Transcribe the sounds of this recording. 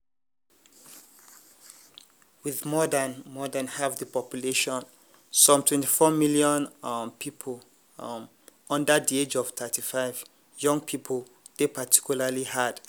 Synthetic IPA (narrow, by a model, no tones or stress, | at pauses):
wiðmɔdãnmɔdənhavðəpɔpjuleʃɔ̃n | sɔ̃mtʰwɛ̃ntifɔmiljɔ̃npʰipʰl | ʌ̃ndədied͡ʒɔv̥t̪ʰətʰifaɪv | jʌ̃ŋpʰipʰəl | ðepʰatʰi̥kjulalihad̥